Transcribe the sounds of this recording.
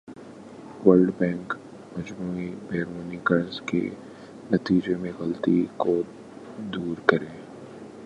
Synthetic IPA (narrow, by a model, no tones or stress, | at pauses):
wəlɖbɛ̃ːŋk | mɐd͡ʒbuːibɛːɾoːniɡɐɾzkḛ | nɐt̪iːd͡ʒemẽɣɐlt̪iko | d̪uːɾkɐɾẽː